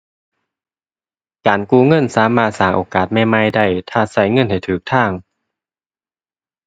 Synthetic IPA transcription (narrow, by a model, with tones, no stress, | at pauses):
kaː˨˩nkuː˧ŋɤ˧˥˨nsaː˨˦maː˧˩t̪̚saː˨˩ŋʔoː˨˩kaː˨˩t̪̚ma˧˥˩jma˧˥˨jda˧˩jt̪ʰaː˧˩sa˧˩jŋɤ˧˥˨nha˨˩jt̪ʰɯː˨˩k̚t̪ʰaː˧˥˩ŋ